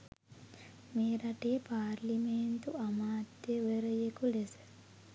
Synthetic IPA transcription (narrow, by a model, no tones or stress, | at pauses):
meːɾaʈeːpaːɾliment̪uamaːt̪jeʋeɾəjekulesə̥